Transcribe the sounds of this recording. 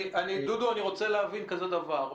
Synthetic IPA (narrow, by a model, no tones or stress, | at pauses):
ʔanid̪ud̪uaniʁo̞t͡seleavinkaze̞d̪avaʁ